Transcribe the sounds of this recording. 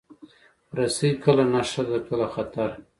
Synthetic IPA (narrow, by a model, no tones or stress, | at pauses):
ɾasijkəlanaʂad̪akəlaxat̪aɾ